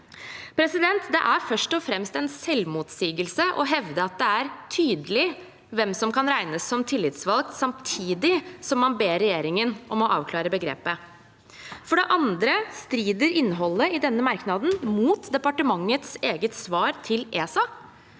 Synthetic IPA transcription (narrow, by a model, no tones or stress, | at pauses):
pʰɾɛsɪd̪ɛnt̪d̪ɛ̰ʔæɾfœʂʈɔfɾɛmst̪ɛnsɛlmuːt̪siːɡəlsəʔɔɦɛʋd̪əɑt̪̚d̪ɛæɾt̪ʰyːd̪əlɪ | ʋɛmsɔmkɑnɾæɪnəsːɔmt̪ʰɪlːɪt̪sʋɑlksɑmt̪ʰiːd̪ɪsɔmːɑnbeːɾɛjeːɾɪŋənʔɔmɔʔɑːʋkʰlɑːɾəbəɡɾḛːpə | fɔɖɛʔɑnd̪ɾəst̪ɾiːd̪əɾɪnːəɦɔlːəɪd̪ɛnːəmɑɾknɑd̪n̩muːt̪d̪ɛpɑʈəmɑŋːət̪seːɡət̪sʋɑːɾt̪ʰɪleːsɑ